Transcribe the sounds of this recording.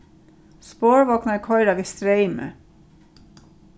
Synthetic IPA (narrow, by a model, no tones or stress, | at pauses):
spoːɹʋɔknɑkʰɔʏɾɑːʋɪst̪ɾeɪmə̰